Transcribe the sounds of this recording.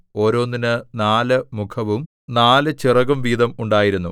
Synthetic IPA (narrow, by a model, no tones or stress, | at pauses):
o̞ːɾo̞ːnːinɨnaːlɨmukʰɐʋum | naːlɨt͡ɕirɐɣɐmʋiːd̪ɐmuɳɖaːjiɾunːṵ